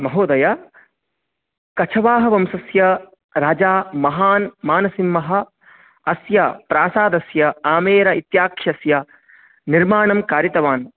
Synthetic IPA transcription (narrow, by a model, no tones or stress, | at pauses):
mɐɦoːd̪ɐjɐ | kɐt͡ʃʰɐʋaːɦɐʋɐmsɐsjɐ | ɾaːd͡ʒaːmɐɦaːnmaːnɐsimːɐɦɐ̆ | ɐsjɐpɾaːsaːd̪ɐsjɐaːmeːɾɐit̪jaːkʂɐsjɐ | niɾmaːɳɐmkaːɾjɐt̪ɐʋaːn